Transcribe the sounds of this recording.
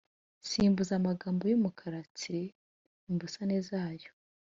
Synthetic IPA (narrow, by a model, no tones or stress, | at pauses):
siːmbuzamaɡaːmbo̞jomukʰaɾat͡siɾe | imbusanezaːjo